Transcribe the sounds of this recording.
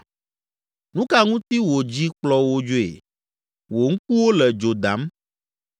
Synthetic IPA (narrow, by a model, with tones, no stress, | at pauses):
nũ˦ka˦ŋũ˦t̪i˦wo˨d͡ʑi˦k͡plɔ˦wo˦d͡ʒo˦ḛ˨ | wo˨ŋ̩˦k̚u˦wo˦lɛ˨d͡ʒo˨d̪a˨˦m